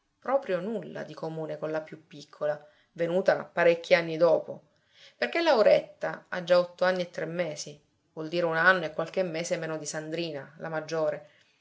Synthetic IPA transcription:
pɾɔːpɾjonulːa̰d̪ikomuːnekonlapjupːikʰːola | venuːt̪apaɾekːianːid̪ɔːpo | perk̟elawɾet̪ːaa̰d͡ʒːaɔt̪ːoanːiet̪ːɾemːeːsi | vwɔld̪iːɾeunanːoekːwalk̟emːeːsemeːnod̪isand̪ɾiːnalamad͡ʒːoːɾe

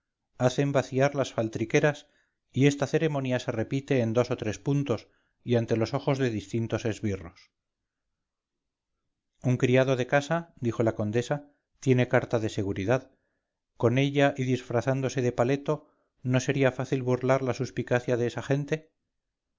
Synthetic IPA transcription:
aθe̞mbaθiaɾlasfalt̪ɾike̞ɾas | ie̞st̪aθe̞ɾe̞mõ̞njase̞re̞pit̪e̞ːnd̪o̞sot̪ɾe̞spunt̪o̞s | iant̪e̞lo̞so̞xo̞zðe̞ðist̪int̪o̞se̞zβiro̞s | uŋkɾiað̞o̞ðe̞kasad̪ixo̞lako̞nd̪e̞sa | t̪je̞ne̞kaɾt̪aðe̞se̞ɣuɾiðað | ko̞ne̞ʎaʔiðisfɾaθand̪o̞se̞ðe̞pale̞t̪o̞ | no̞se̞ɾiafaθilβurlaɾlasuspikaθjaðeesaχe̞nt̪e̞

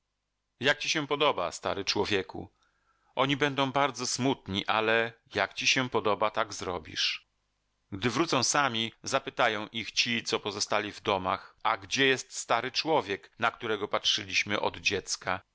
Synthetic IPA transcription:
jak̚t͡ɕiɕɛpɔd̪ɔba̰st̪a̰ɾɘt͡ʂwɔvʲjɛkṵ | ʔɔɲibɛnd̪ɔ̃w̃baɾd̪zɔsmut̪ɲiʔalɛjakt͡ɕiɕɛpɔd̪ɔbat̪aɡzɾɔbʲḭʂ | ɡd̪ɘvɾut̪sɔ̃w̃samʲizapɘt̪ajɔ̃w̃ʔixt͡ɕit̪sɔpɔzɔst̪alʲivd̪ɔma̰xaɡd͡ʑɛjɛst̪st̪aɾɘt͡ʂwɔvʲjɛknak̚t̪uɾɛɡɔpatʂɘlʲiɕmɘʔɔ̰d̪d͡ʑɛt̪ska

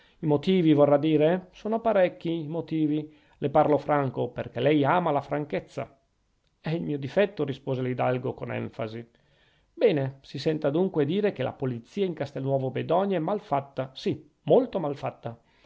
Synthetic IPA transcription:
imot̪iːvivorːad̪ːiːɾesoːnopaɾɛkːiːmot̪iːvi | leparlofɾaŋkoperkelɛjaːmalafɾaŋket̪sːa̰ | ɛilmiːod̪ifɛt̪ːoɾispoːzelid̪a̰lɡokonɛ̰ɱfa̰zi | bɛːnesisɛnt̪ad̪uŋkwed̪iːɾekelʔa̰polit̪sːiːaiŋkast̪elnwɔːvobed̪ɔɲaɛmːalfat̪ːasi | molt̪omalfat̪ːa

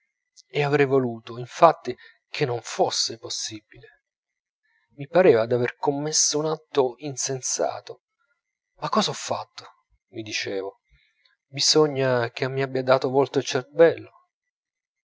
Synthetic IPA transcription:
eavɾɛjvoluːt̪oiɱfat̪ːi | k̟ʰenːoɱfosːeposːibile | mipaɾeːvad̪averkomːesːounat̪ːoinsensa̰ːt̪o | makːɔːzaɔfːa̰t̪ːo̥ | mid̪it͡ʃeːvo | bizoɲːak̟eamːiabːjad̪aːt̪ovolt̪oelt͡ʃerbɛlːo

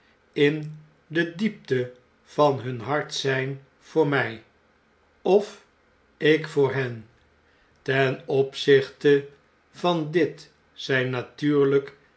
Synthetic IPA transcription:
ɪn | dədip̚tə | v̥ɑnɦɵnɦɑɹtsɛjn | v̥ʊːɹmɛj | ɔf | ɪkfʊːɹɦɛn | tɛnɔpsɪχtə | vɑndɪt | sɛjnatyːɹlək

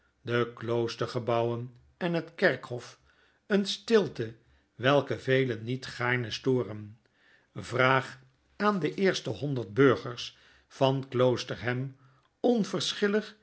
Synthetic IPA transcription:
dəklowstəɹχəbɑwən | ɛnɦətkɛɹkhɔf | ənstɪlˠtə | ʋɛlˠkəvejlənːitχaːɹnəstoːrən | vraːχ | aːndəʔɪːɹstəɦɔndəɹd̚bɵɹχəɹs | fɑnklowstəɹɦɛm | ɔnvəɹsχɪləχ

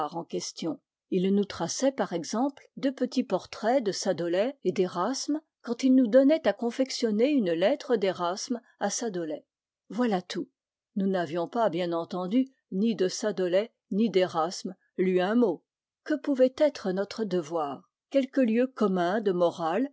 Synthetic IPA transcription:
ʁɑ̃kʲɛst̪jɔ̃ | ilnut̪χasɛpaʁɛɡzɑ̃pld̪øpət̪ipɔʁt̪χɛd̪əsad̪ɔlɛed̪eʁasm | kɑ̃t̪ilnud̪ɔnɛt̪akɔ̃fɛksjɔneynlɛt̪χəd̪eʁasm | asad̪ɔlɛ | vwalat̪ʰu | nunavjɔ̃pabjɛ̃nɑ̃t̪ɑ̃d̪y | nid̪əsad̪ɔlɛ | nid̪eʁasm | lɥiɛ̃mo | kəpuvɛt̪ɛt̪χənɔt̪χəd̪əvwaːʁ | kʲɛlkəljøkɔmɛ̃d̪əmɔʁal

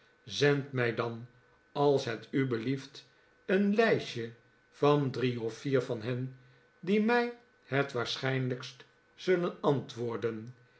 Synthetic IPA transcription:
zɛntmɛjdɑn | ɑlˠsɦɛtybəlift | ənlɛjʃə | v̥ɑndriɔfiːɹvɑnɦɛn | dimɛj | ɦətʋaːɹsχɛjnləkst | z̥ɵlənɑntʋʊːɹdən

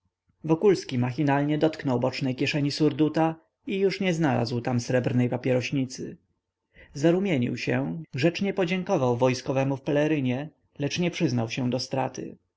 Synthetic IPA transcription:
vɔkulskʲimaxʲinalɲɛd̪ɔt̪knɔwbɔt͡ʂnɛjkʲjɛʂɛɲisuɾd̪ut̪a | ijuʂɲɛznala̰zwt̪amsɾɛbɾnɛjpapʲjɛɾɔɕɲit̪sɘ̰ | zaɾumʲjeɲḭwɕɛɡʐɛt͡ʂɲɛpɔd͡ʑɛŋkɔvawvɔjskɔvɛmufpɛlɛɾɘɲɛ | lɛt͡ʂɲɛpʂɘznawɕɛd̪ɔst̪ɾa̰t̪ɘ̰

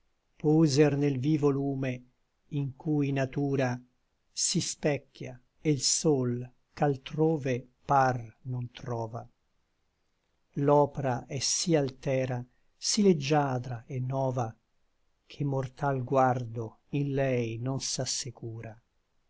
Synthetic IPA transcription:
puːzernelviːvoluːme | iŋkujnat̪uːɾa | sispɛkːja | elsol | kalt̪ɾoːve | parnont̪ɾɔːva | lɔːpeɾaʔɛsialt̪ɛːɾa | siled͡ʒːaːd̪ɾaenːɔːva | k̟ʰemːort̪alɡward̪o | inlɛjnonsasːekuːɾa

